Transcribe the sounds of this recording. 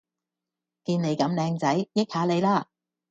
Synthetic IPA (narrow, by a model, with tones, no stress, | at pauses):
kiː˧nle˨˧˥jkɐ˨˥mlɛː˧ŋt͡sɐ˨˥jjɪ˥k̚haː˨˧˥le˨˧jlaː˥˩